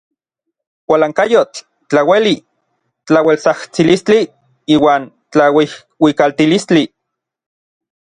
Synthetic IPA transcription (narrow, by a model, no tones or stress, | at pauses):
wʷalaːŋkajot͡ɬ | t͡ɬaweli | t͡ɬawelt͡saht͡silist͡ɬi | iːwaːn | t͡ɬawih | wikalt̪ilist͡ɬi